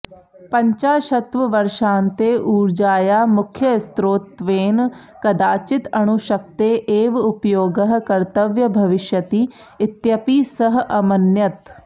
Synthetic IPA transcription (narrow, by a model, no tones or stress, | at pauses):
pəɲt͡ʃaːʃət̪ʋəʋəɾʃãːnt̪eːʔuːɾd͡ʒaːjaːmʊkʰjəɪst̪ɾoːt̪ʋeːn | kɐd̪aːt͡ʃɪt̪ɐɽ̃ʊʃək̚t̪eːʔeːʋʊpjoːɡəɦkəɾt̪əʋjəbʱəʋɪʃjət̪iː | ɪt̪jəpiːsəɦɐmənjət̪